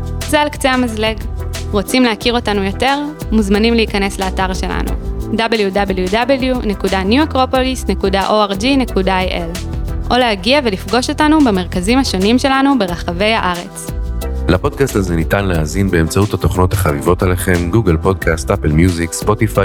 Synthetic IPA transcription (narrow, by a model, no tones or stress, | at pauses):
zealkt͡seamazleɡʁo̞t͡simleakiʁo̞tanujo̞te̞ʁ | muzmanimleikɐne̞sleataʁʃe̞la̰nṵdabeljudabeljudabljune̞kudanjuakʁo̞polisne̞kudaʔo̞aʁd͡ʒinekudaajʔel | ʔo̞leaɡiave̞lifɡo̞ʃo̞tanubeme̞ʁkazimhaʃo̞nimʃe̞lanube̞ʁaχave̞jhaʔaʁe̞t͡slapo̞d̚kastazenitanleazinbeːmt͡sauthat̪o̞χno̞t̪haχavivo̞taleχe̞mɡuɡelpo̞d̚kʰast̪ʔapelmjuzikspot̪ifa